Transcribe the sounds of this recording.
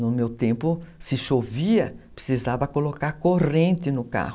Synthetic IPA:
nʊmewt̪ẽmpʊsɪʃoviɐpɾe̥sizavɐkolokaɾkorẽnt̪ɪnʊka̰hʊ

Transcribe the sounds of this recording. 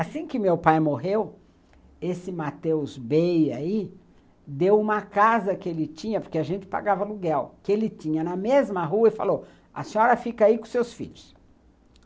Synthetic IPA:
asĩkɪmewpajmoɦew | esɪmat̪ewzbejai | d̪ewũmɐkazɐkɪelɪt͡ʃĩɲɐpoɾkeaʒẽnt͡ʃɪ̥pa̰ɡavɐluɡɛwkɪelɪt͡ʃĩɲɐnɐmezmɐɦuɐɪfa̰lo | ɐsẽɔɾɐfikaikõsewsfḭʎʊs

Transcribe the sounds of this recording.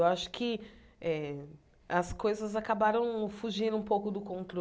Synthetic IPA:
waʃʊ̥kʰɪ | ɛ | ɐskojzɐzakabaɾɐ̃w̃fuʒĩnd̪ʊũpowkʊd̪ʊkõnt̪ɾo

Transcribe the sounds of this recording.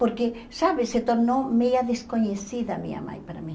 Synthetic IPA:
poɾkesaβɪset̪oɾnowmejɐðeskoɲesiðɐmḭ̃ɲa̰ma̰jpaɾa̰mĩ

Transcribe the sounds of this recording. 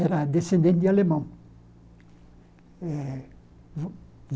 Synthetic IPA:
eɾad̪esẽnd̪ẽn̚d̪ialemã | e | v

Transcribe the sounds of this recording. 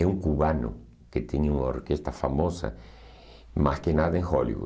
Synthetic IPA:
ɛuŋkuβanʊ̰ | ket̪eɲuŋao̰ɾkest̪ɐfamosɐ̰ | maskenaðɐẽŋxolḭβṵ

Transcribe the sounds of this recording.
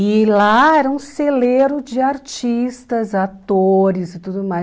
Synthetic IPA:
ɪlaɛɾɐũseleɾʊd͡ʒɪaɾt͡ʃist̪ɐzat̪oɾɪzɪt̪ud̪ʊmaj

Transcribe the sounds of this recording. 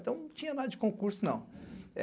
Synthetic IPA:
t̪ɐ̃w̃nɐ̃w̃t͡ʃĩɲɐnad̪ɐd͡ʒɪkõkuɾsʊnɐ̃w̃ɛ

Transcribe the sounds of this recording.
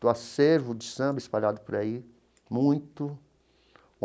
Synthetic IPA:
ʊaseɾvʊd͡ʒɪsɐ̃mbɐɪspaʎad̪ʊpʊɾai | mũj̃t̪ʊ

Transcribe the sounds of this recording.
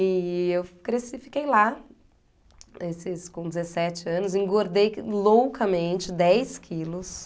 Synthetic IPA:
iewkɾesifikejla | esɪskõd͡ʒɪzesɛt͡ʃɪɐ̃nʊzĩŋɡoɾd̪ejlowkʰɐmẽt͡ʃɪd̪ɛjskʰilʊs

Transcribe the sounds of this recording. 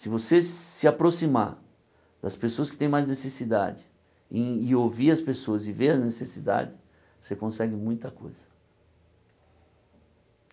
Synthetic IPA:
sɪvosesɪapɾosima̰ | d̪ɐspesoɐskɪ̥t̪ẽj̃majznesesid̪a̰d͡ʒɪ | ẽɪoviɾɐspesoɐzɪveɾɐznesesid̪a̰d͡ʒɪ | osekõsɛɡɪmũj̃t̪ɐkojz̥ɐ̥

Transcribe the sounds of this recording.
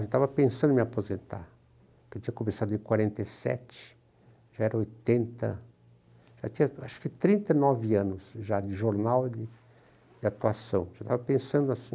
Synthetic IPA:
ewt̪avɐpẽsɐ̃nd̪ʊmɪapozẽnt̪a̰ɾ | kewt̪ĩɲɐkõmesad̪ʊẽkwaɾẽnt̪esɛ̰t͡ʃɪ̥ | ʒaɛɾɐojt̪ẽnt̪ɐ̰ | ʒ̥a̰t̪ĩɲɐaʃʊ̥kɪt̪ɾĩnt̪ɐɪnɔvɪɐ̃nʊsʒad̪ɪʒoɾnawd̪ɪ | d̪ɪat̪uasɐ̃w̃ʒat̪avɐpẽsɐ̃nd̪ʊasĩ

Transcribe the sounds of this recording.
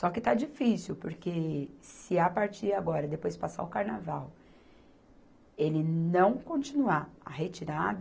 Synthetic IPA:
sɔkɪt̪ad͡ʒifisiwpoɾkesɪapaɾt͡ʃiɾaɡɔɾɐd̪epojspasa̰ʊkaɾnavaw | elɪnɐ̃w̃kõt͡ʃinuaɐɦet͡ʃiɾad̪

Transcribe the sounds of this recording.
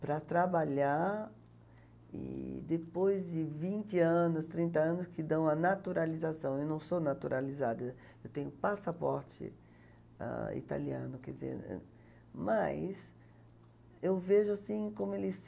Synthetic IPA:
pɾɐt̪ɾabaʎaɾ | ɪ̰d̪epojzd̪ɪvĩnt͡ʃ̪ɪɐ̃nʊst̪ɾĩnt̪ɐɐ̃nʊskɪd̪ɐ̃w̃ɐnat̪uɾalizasɐ̃w̃ewnɐ̃w̃sonat̪uɾʔalizad̪ɐ | ewt̪ẽɲʊpasapɔɾt͡ʃɪ̰ | ɛ̰̃ḭt̪a̰liɐ̰̃nʊkɛd̪izḛɾ | majs | ewveʒʊasĩkõmʊelɪs

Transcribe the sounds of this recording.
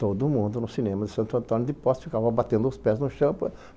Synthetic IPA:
t̪od̪ʊmũnd̪ʊnʊsinẽmɐd̪ɪsɐ̃nt̪ʊɐ̃nt̪õnʊd̪ɪpɔst̪fikavɐbat̪ẽnd̪ʊʊspɛznʊʃɐ̃pɐ

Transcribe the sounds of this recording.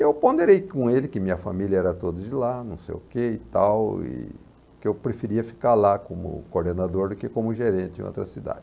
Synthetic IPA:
ewpõnd̪eɾejkõelɪkɪmĩɲɐfa̰miljɐɛɾɐt̪od̪ɐd͡ʒɪlanɐ̃w̃sḛjʊkeɪt̪awɪ̰ | kɪewpɾefiɾiɐfi̥kaɾlakõmʊ̰koɾd̪enad̪oɾd̪ʊkekõmʊʒeɾẽnt͡ʃ̪ɪɪ̰̃o̰t̪ɾɐ̰sid̪a̰d͡ʒ

